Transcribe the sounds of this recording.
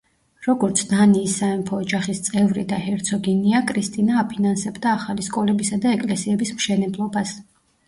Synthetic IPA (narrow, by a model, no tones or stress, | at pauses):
ɾɔɡɔɾt̪sʰnaniːsːaɛmpʰɔːd͡ʒaχist̪sʼɛvɾḭd̪ahɛɾt̪sʰɔɡiniakʼɾist̪ʼinaːpʰinansɛbd̪aːχaliskʼɔlɛbisad̪aɛkʼlɛsiɛbismʃɛnɛblˠɔbas